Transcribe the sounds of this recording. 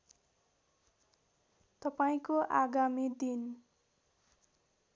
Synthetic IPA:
t̪ʌpaĩkoʔaɡamid̪in

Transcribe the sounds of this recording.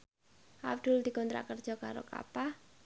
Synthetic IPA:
ʔabd̪̥ʊld̪ikɔnt̪ɾa̰kərd̥ʒ̥ɔ̤kaɾo̰ka̰pa

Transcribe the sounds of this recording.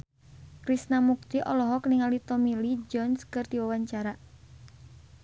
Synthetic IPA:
kɾisnamuk̚t̪iʔɔlɔɦɔkniŋalit̪ɔmilid͡ʒɔnskɨrt̪iwawaɲt͡ʃaɾa

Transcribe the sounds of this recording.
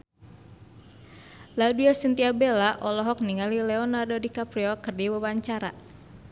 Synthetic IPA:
laduasint̪iabelaʔɔlɔɦɔk̚niŋalilɛɔnardodikapɾiɔkərdiwəwaɲt͡ʃaɾa

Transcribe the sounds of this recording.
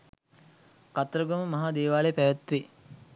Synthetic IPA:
kat̪ɾəɡoməmɐɦaːd̪eːʋaːlepæʋæt̪ʋe

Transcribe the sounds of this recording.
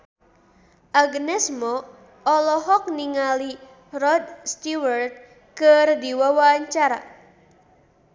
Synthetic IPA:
ʔaɡnɛsmɔ | ɔlɔɦɔk̚niŋali | rɔd̪̚st̪iwərt̪̚ | kɨrd̪iwawaːɲt͡ʃaɾa̰

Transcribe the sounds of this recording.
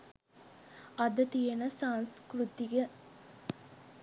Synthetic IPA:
ɐd̪ət̪ijenəsaːnskɾut̪ːiɡe

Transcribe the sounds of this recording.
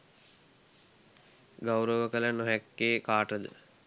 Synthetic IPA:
ɡawɾəʋəkələnoɦɛkːeːkaːʈəd̪ə̰

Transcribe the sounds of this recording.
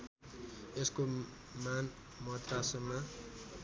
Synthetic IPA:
esko | man | mʌt̪rasʌmmːa

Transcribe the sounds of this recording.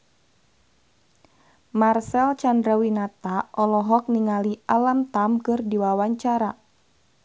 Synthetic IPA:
marsɛlt͡ʃandɾawinat̪aʔɔlɔɦɔk̚niŋalialamt̪amkɨrdiwawaɲt͡ʃaɾa

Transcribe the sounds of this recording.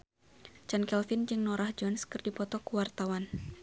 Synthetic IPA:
t͡ʃankɛlfind͡ʒɨŋnɔɾahd͡ʒɔnskɨrdipɔt̪ɔkuwart̪awan

